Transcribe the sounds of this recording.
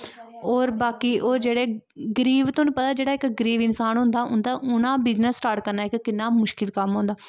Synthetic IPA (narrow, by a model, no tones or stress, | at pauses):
ɔːɾbaːkiːʔoːɾd͡ʒeːɽeː | ɡəɾiːʋt̪õːnũːpət̪aːd͡ʒeːɽaːɪkɡəɾiːʋɪnsaːnɦʊ̃nd̪aːʊ̰̃nd̪aːʔʊnãːbɪznəsːʈaːɾʈkəɾnaːɪkːɪnːaːmʊʃkɪlkəmɦõːnd̪aː